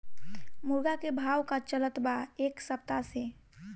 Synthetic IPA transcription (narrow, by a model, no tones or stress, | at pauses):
mʊɾɡakebʱaːwkat͡ʃələt̪baeːksəp̚t̪ase